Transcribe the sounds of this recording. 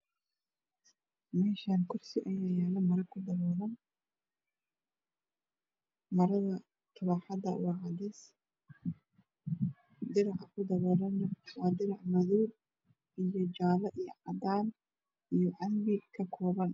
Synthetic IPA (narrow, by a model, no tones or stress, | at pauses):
mɛːʃaːnkʰʊrsɪʔɐjɐjaːlɐmɐɾɐkʰʊd̪ɐβɔːɾɐn | mɐɾɐðɐ | t̪ʰʊβɑħɑd̪ɐ̰wɑːʕɑd̪ɛs | d̪ɪɾɑʕɑkʰʊd̪ɐβɔːɾɐnːɐwɑːd̪ɪɾɑʕmɐðuːl | ʔijɔd͡ʒaːlɐʔijɔ̰ʕɑd̪aːn | ijɔʕɑlbɪkʰɐkʰɔːβɐn